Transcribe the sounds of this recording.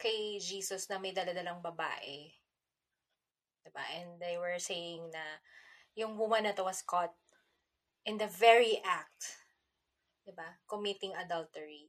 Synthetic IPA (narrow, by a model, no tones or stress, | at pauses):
kɐjd͡ʒiːsɔsnɐmɐjd̪ɐlɐd̪ɐlɐŋbɐba̰ːʔɛ | d̪̥ɪba̰ʔɛ̃nd̪d̪ejwɛɹsejɪŋnɐjʊŋbumanɐt̪owɐskɔt̪̚ | ʔɪ̃nd̪ɐvɛɹiʔak̚t̪ | d̪ɪbakomɪt̪ɪŋɐd̪ɐlt̪ɛɹi